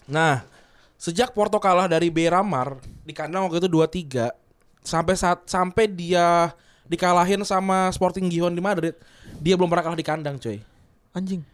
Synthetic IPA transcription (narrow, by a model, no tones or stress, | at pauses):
nah | səd͡ʒak̚pɔrt̪okalahdaɾibeɾamardikandaŋwak̚t̪et̪uduat̪iɡa | sampɛsat̪̚sampɛjdia | dikalaɦɪnsamaspɔrt̪ɪŋɡiɦɔndimadɾɪt̪̚diabəlʊmpərnakalahdikandaŋt͡ʃoj | aɲd͡ʒɪŋ